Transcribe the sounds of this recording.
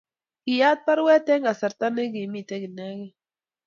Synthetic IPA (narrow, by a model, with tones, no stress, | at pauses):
ɡ̥ɪ˨ja˦t̪̚pa˦ɾwɛ˦t̪ɛ˦ŋa˨sa˨ɾt̪a˦ne˦ɡi˨mi˦˨t̪ɛ˦ɡi˨nɛ˦ɡɛ˦